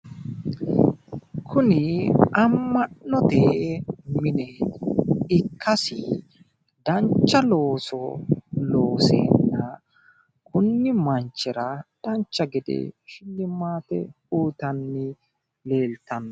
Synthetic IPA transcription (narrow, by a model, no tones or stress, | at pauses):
kʰʊnɪʔɐmːɐʔnɔt̪eːmɪnɛ | ɪkʰːɐsɪ̰ | d̪ɐnt͡ʃːɐlo̞ːsɔlo̞ːsḛːnːɐ | kʊnːɪmɐnt͡ʃːɛɾɐd̪̥ɐnt͡ʃːɐɡɛd̪ɛ̰ʃɪlːɪmːaːt̪ɛ | uːt̪ɐnːɪ | le̞ːlt̪ɐnːɔ